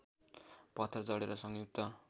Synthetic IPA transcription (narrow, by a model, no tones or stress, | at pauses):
pʌt̪ʰːrʌd͡zʌɽeɾʌsʌŋjuk̚t̪ʌ